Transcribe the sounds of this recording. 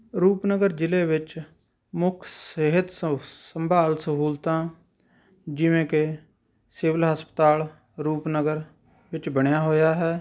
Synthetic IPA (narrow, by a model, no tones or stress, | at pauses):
ɾuːpnəɡəɾd͡ʒɪleːʋɪt͡ʃ | mʊkʰsəɦɪt̪səmbʱaːlsəɦuːlt̪ãː | d͡ʒɪʋẽːke | seːʋəlɦəspət̪aːl | ɾuːpnəɡəɾ | ʋɪt͡ʃbəɳjaːɦoːjaːɦɛː